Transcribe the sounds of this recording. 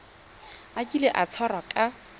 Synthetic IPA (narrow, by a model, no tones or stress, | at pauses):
akʼileʔat͡sʰɔrakʼa